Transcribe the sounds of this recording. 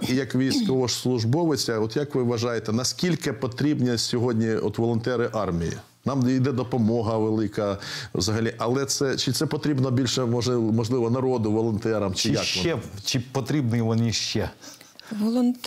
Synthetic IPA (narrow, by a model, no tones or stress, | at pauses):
ijɐkʋʲijsʲkɔʋɔʃslˠʊʒbɔʋɪt͡sʲɐɔt̪jɐkʋɪʋʋɐʒɑjet̪ɛnɐskʲilʲkɪpɔt̪ɾʲibnʲisʲɔɦɔdʲnʲiɔt̪ʋɔlˠɔnt̪ɛɾɪʔɑrmʲijḭ | nɑmijd̪ɛd̪ɔpɔmɔɦɐʋelˠɪkɐʋzɐɦɐlʲiʔɐlˠɛt̪sɛt͡ʃɪt̪sɛpɔt̪ɾʲibnɔbʲilʲʃɛmɔɪmɔʒlˠɪʋɔnɐɾɔd̪ʊʋɔlˠɔnt̪ɛɾɐmt͡ʃɪjɐkɔɛt͡ʃɪpɔt̪ɾʲibnɪjiʋɔniʃt͡ʃɛ | ʋɔlˠɔnt̪